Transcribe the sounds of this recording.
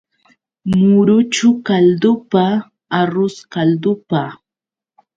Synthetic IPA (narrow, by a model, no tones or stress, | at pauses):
mmʊɾʊt͡ʃʊkald̪ʊpaː | ɾʊskald̪ʊpa